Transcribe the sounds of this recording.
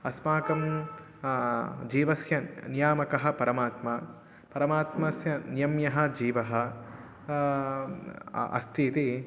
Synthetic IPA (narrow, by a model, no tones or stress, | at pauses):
ɐsmaːkɐm | d͡ʒiːʋɐsjɐnijaːmɐkɐɦɐ̆pɐɾɐmaːt̪maː | pɐɾɐmaːt̪mɐsjɐnijɐmjɐɦɐ̆d͡ʒiːʋɐɦɐ̆ | ɐ̰st̪ʰit̪i